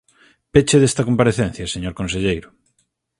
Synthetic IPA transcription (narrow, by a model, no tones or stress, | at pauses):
pet͡ʃeðest̪ɐkompaɾeθen̟θjɐseɲoɾkonseʎejɾʊ